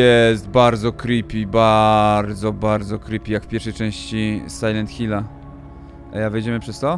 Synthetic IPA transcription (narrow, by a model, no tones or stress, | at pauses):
jɛst̪̚baɾd̪zɔkɾipʲibaɾd̪zɔbaɾd̪zɔkɾipʲijakfpʲjɛɾfʂɛjt͡ʂɛ̃w̃ɕt͡ɕisajlɛnt̪xʲila | ʔa̰javjed͡ʑɛmɘpʂɛst̪ɔ